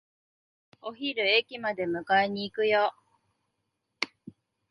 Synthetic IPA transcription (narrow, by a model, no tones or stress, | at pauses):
o̞çiɾɯ̟ekʲimad̪e̞mɯ̟kaeɲ̟iːkɯ̟jo